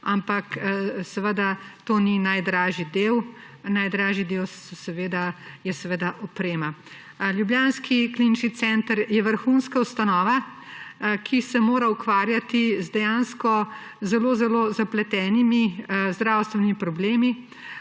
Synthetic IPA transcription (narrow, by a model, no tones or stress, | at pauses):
ampaksɛʋəd̪at̪oninajd̪ɾaːʒid̪eːw | najd̪ɾaːʒid̪ewɔsɛʋeːd̪ajɛsɛʋed̪aʔɔpɾeːma | ljubjaːnskʰiklinit͡ʃnit̪sɛnt̪əɾjɛʋəɾxunskaust̪anɔːʋa | kʰisɛmoːɾaukʋaːɾjat̪izd̪ɛjanskɔ | zɛloːzɛlozaplɛt̪ɛːnimizd̪ɾaːwst̪ʋɛnimipɾɔbleːmi